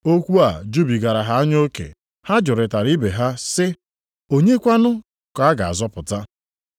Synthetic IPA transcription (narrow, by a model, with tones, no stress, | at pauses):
o˦kʷu˦a˨d͡ʒu˦bi˨ɡa˨ɾa˨ɦa˨a˦ɲo˦kḛ˨ | ha˦d͡ʒʊ˨ɾɪ˨ta˨ɾi˦be˨ɦa˦sɪ˦ | o˦ɲe˦kʷa˦nʊ˦ | ka˨a˦ɡa˨a̰˨zɔ˦pʊ˨ta˦